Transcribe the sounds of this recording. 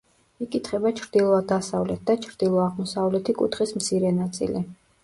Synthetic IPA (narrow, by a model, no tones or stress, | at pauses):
ikʼit̪ʰχɛbat͡ʃʰɾd̪̥ilˠɔad̪asavlɛt̪̚ʰd̪at͡ʃʰɾd̪̥ilˠɔaʁmɔsavlɛt̪ʰikʼṵt̪χismt̪sʰiɾɛnat̪sʼḭlḭ